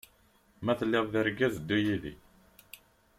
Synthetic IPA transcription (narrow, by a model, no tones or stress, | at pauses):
mæθəlːɪðˤðiɾɡæzd̪ːujiðḭ